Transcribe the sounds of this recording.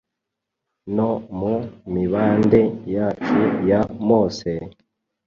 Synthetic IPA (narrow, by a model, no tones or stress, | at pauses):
nomumiβaːndejaːt͡ʃujamoːse